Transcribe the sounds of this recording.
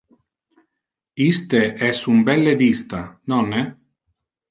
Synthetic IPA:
ist̪eʔɛsumbɛlːed̪ist̪anɔne

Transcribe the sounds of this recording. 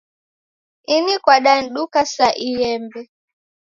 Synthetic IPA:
inikwaɗan̩ɗukasaʔijɛmbɛ

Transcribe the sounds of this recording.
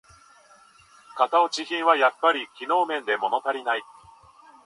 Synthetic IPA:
kat̪aot͡ɕiçĩɰ̃βajapːaɾʲikʲino̞ːmẽ̞nd̪e̞mo̞no̞t̪aɾʲinai

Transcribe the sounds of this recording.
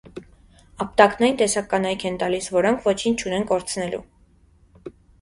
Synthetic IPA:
ɑp̚t̪ɑknɑjint̪ɛsɑkːɑnɑjkʰɛnt̪ɑlisvɔɾɔŋkʰvɔt͡ʃʰint͡ʃʰunɛnkɔɾt͡sʰnɛlṵ

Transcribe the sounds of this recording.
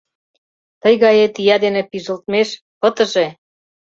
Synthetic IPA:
t̪əjɣɑjet̪ijɑd̪enĕpiʒə̆lt̪meʃ | pət̪ə̆ʒe

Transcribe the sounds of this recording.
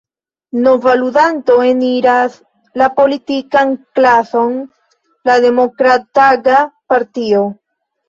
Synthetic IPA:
no̞valudanto̞eniɾas | lapo̞litikanklaso̞n | lade̞mo̞kɾataɡapaɾtio̞

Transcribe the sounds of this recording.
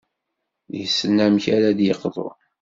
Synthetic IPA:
jəsːənːæmçaɾad̪jəqðˤo̰n

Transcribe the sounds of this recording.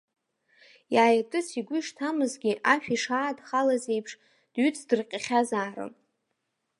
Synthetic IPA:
jaːjatʼɨsiɡʷʊʂtʰamɨzɡʲiʔaʃᶣiʂaːdχalaze̞jpʰʂ | d̥ɥyt͡sʰdɨrqʲʼaχʲazaːrɨ̰

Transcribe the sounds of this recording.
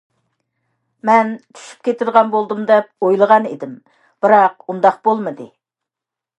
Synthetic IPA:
mɛnt̪ʰy̥ʃy̥p̚kʲʰet̪ʰɪɾʁɑnbolˠd̪ɨmd̪ɛp̚ojlˠəʁɑnḛd̪ɪm | b̥ɨɾɑqund̪ɑq̚b̥olˠmɨd̪ɨ

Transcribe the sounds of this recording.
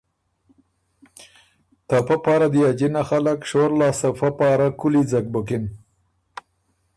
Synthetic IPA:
t̪afapɑɾad̪jɑd͡ʒinaxalakʃoɾlɑsafapɑɾakʊlid͡zak̚bʊkɪn

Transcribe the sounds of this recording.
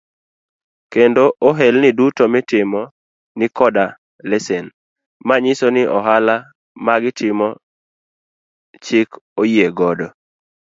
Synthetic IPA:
kendoʔoɦɛlnɪdutomɪtɪmɔ | nɪkɔda | lesen | maɲɪsonɪʔɔɦala | maɡɪtɪmɔ | t͡ʃɪkojeɡɔdɔ

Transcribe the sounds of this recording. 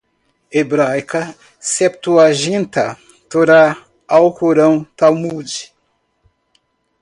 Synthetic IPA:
ebɾajkɐ | sɛp̚t̪uaʒĩnt̪ɐ | t̪oɾa | awkoɾɐ̃w̃t̪awmud͡ʒi̥

